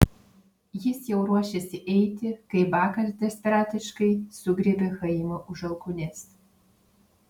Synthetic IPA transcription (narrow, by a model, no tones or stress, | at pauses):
jɪsjɛʊɾuɔʃʲesʲɪʔɛɪt̪ʲɪkɐɪbɑːkɐsd̪ʲɛsʲpʲɛɾɑːt̪ʲɪʃkɐɪsʊɡɾʲibʲɛxɐɪmɐʔʊʒɐlˠkʊnʲɛs